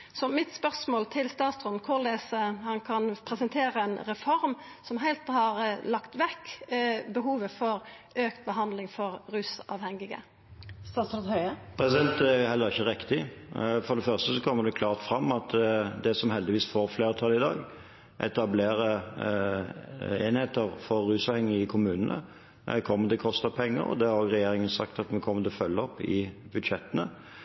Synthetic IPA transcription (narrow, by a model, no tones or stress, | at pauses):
sɔmɪt̪spœʁsmoːlt̪ʰɪlst̪ɑːt̪sɾɔnkʰʊʁlesəhɑnkʰɑnpʰɾɛsɛnt̪ʰeːɾəɛnɾɛfɔɾm | sɔmɦæɪlt̪hɑɾlɑkt̪ʋɛkːbəɦuːʋəfɔɾ | øːkt̪̚bəɦɑnd̪lɪŋfɔɾɾʉːsɑ̰ʋhɛŋɪɡə̰ | st̪ɑːsɾnhœʏəpʰɾɛsɪd̪ɛnt̪æjʊhɛlːəʁɪçəʁɪkt̪ɪfɔd̪ɛfœʁst̪əsɔkʰɔmːəd̪ɛkʰlɑːʁt̪fɾɑmːɑt̪d̪ɛsɔmɦɛld̪ɪʋiːsfoːɾfleːɾət̪ʰɑlːɪd̪ɑ̰ːɡ | ʔɛ̰t̪ɑbleːɾə | eːnheːt̪əɾfɔɾːʉːsɑːʋhɛŋːəɪkʰʊmʉːnənə̰ | kʰɔmːəd̪ɛkʰɔst̪əpʰɛŋːə̰ɾɔ̰d̪ɛhɑɾoɡʁɛjeːɾɪŋənsɑ̰kt̪ɑt̪mɛkʰɔmːət̪ɪlɔfœlːəɔpːɪbʉd̪ʃɛt̪ːənə